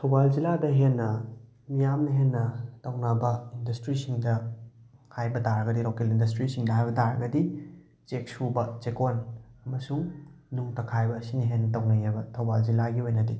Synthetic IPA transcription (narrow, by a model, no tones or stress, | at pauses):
tʰɐwbald͡ʒiladɐɦenːɐ | mijamnɐɦenːɐtɐwnabɐindɐstɾisiŋdɐ | hajbɐdaɾɐɡɐdilokelindɐstɾisiŋdɐɦajbɐdaɾɐ̰ɡɐdi | t͡ʃek̚subɐt͡ʃekonɐmɐsuŋnuŋtɐkʰajbɐːsinɐɦenːɐtɐwnɐjabɐtʰɐwbald͡ʒilaɡiojnɐdi